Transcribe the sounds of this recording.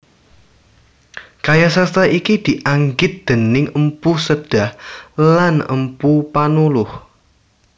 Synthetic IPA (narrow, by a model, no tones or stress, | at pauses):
kajasarst̪aikid̪̥iʔaŋɡɪt̪̚d̪̥ə̤nɪŋəmpusəd̥a̤hlanə̰mpupanulʊh